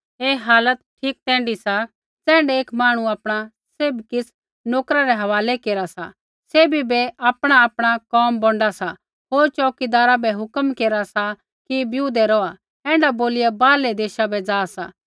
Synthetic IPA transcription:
eːɦaːlət̪ʈʰiːk̚t̪ɛ̃ːɳɖisa | t͡sɛ̃ːɳɖɛeːkmaːɽ̃uaːpɽ̃a | seːbkɪs | noːkɾaɾɛɦɐʋaːlekeːɾasa̰ | seːbibɛaːpɽ̃aaːpɽ̃akɔːmbɔ̃ɳɖasa | ɦoːɾt͡ʃɔːkid̪aːɾabɛɦʊkəmkeːɾasa | kibjuːd̪ɛɾɔa | ɛ̃ːɳɖaboːlɪjabaːlɛd̪eːʃabɛd͡zaːsaː

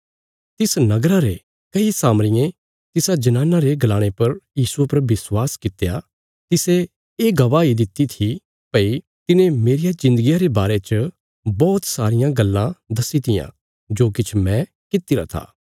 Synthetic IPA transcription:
t̪ɪsnɐɡɾaɾe | kɐisaːmɾɪjẽ | t̪ɪsad͡ʒɐnãːnaɾeɡɐlaːɽ̃epɐɾjiːsuepɐɾbɪswaːskɪt̪eja | t̪ɪse | eːɡɐʋaːid̪ɪt̪ːit̪ʰi | pɐi | t̪ɪnẽmeːɾijad͡ʒɪ̃nd̪əɡijaɾebaːɾet͡ʃə | bɔːt̪saːɾɪjãɡɐlːãd̪ɐsit̪ɪjã̰ | d͡ʒoːkɪt͡ʃʰmɛ̃ | kɪt̪iɾa̰t̪ʰa̰ː

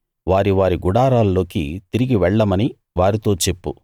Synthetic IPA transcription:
ʋaːɾiʋaːɾiɡuɽaːɾaːllo̞ːkḭt̪iɾiɡiʋɛɭːɐmɐni | ʋaːɾit̪o̞ːt͡ʃe̞pːṵ

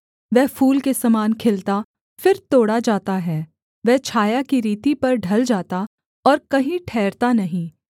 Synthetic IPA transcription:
ʋɛɦfʰuːlkesɐmaːnkʰɪlt̪a | fɪɾt̪oːɽad͡ʒaːt̪aɦɛː | ʋɛɦt͡ʃʰaːjakiɾiːt̪ipɐɾɖʱɐld͡ʒaːt̪a | ɔːɾkɐɦĩʈʰɛːɾt̪anɐɦĩː

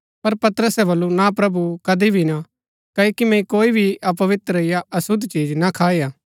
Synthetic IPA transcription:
pɐɾpɐt̪əɾəsɛbɐlːunapɾɐbukɐd̪ibʱina | kɐikimɛ̃ikoːibʱiʔɐpɐʋɪt̪ɾɐɪjaɐsʊd̪t͡ʃiːd͡ʒnakʰaːijaː

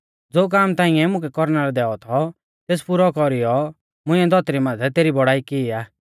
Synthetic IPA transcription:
d͡zoːk̬aːmt̪ãːɪ̃ɛ̃mʊ̃kɛkɔɾnaɾɛd̪ɛːɔt̪ʰɔ | t̪eːspʊɾɔkɔɾijɔ | mʊ̃ɪ̃ɛ̃d̪ʱɔt̪ɾimãːt̪ʰɛt̪eːɾibɔɽaːikiaː

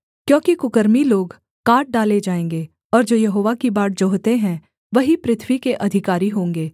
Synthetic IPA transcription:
kjõːkikʊkəɾmiloːɡ | kaːʈ̚ɖaːled͡ʒaːẽːŋɡeː | ɔːɾd͡ʒoːjɐɦoːʋakibaːʈ̚d͡ʒoɦt̪eɦɛ̃ | ʋɐɦipɾɪt̪ʰʋikeʔɐd̪ʱɪkaːɾiɦõːŋɡeː

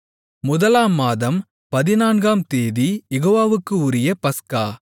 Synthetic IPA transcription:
mʊðɐlaːmːaːðɐm | pɐðɪnaːnɡaːmt̪eːðijɛɣoːʋaːʋɯkːɯʊɾɪjɐpɐskaː

